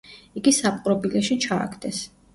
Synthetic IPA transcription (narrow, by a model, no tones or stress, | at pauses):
iɡisapʼqʼɾɔbilɛʃit͡ʃʰa̰ːkʰd̪ɛs